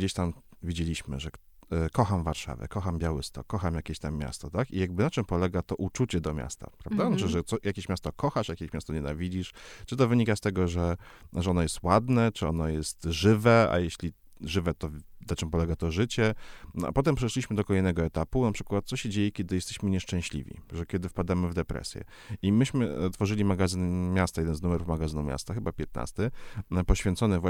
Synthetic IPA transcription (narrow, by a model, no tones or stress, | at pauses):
d͡ʑeɕt̪am | vʲid͡ʑelʲiɕmɘ̰ʐɛ | kɔxamvaɾʂa̰vɛ̰kɔxambʲjawɘst̪ɔ̰kːɔxamjakʲeɕt̪amːja̰st̪ɔt̪akijaɡ̚bɘnat͡ʂɘmpɔlɛɡat̪ɔʔut͡ʂut͡ɕɛd̪ɔmʲja̰st̪a̰pɾavd̪aɨʐɛt̪sɔjakʲeɕmʲjast̪ɔkʰɔxaʂjakʲeɕmʲjast̪ɔɲɛna̰vʲid͡ʑiʂt͡ʂɘt̪ɔvɘɲikast̪ɛɡɔʐɛʐɛɔnɔjɛst̪wad̪nɛt͡ʂɘɔnɔjɛst̪ʐɘvɛa̰jɛɕlʲi | ʐɘvɛt̪ɔnat͡ʂɘmpɔlɛɡat̪ɔʐɘt͡ɕɛnʔa̰pɔt̪ɛmpʂɛʂlʲiɕmɘd̪ɔkɔlɛjnɛɡɔɛt̪apunapʂɘkwat̪̚sɔɕɛd͡ʑejɛkʲɛd̪ɘjɛst̪ɛɕmɘɲɛʂt͡ʂɛ̃w̃ɕlʲḭvʲḭʐɛkʲjɛd̪ɘfpad̪amɘvd̪ɛpɾɛ̰sʲjɛ̰ | imɘɕmɘt̪fɔʐɘlʲimaɡazɘnmʲjast̪ajɛd̪ɛnznumɛɾufmaɡazɘnumʲja̰st̪axɘbapʲjɛt̪na̰st̪ɘpɔɕfʲjɛnt̪sɔnɛvwa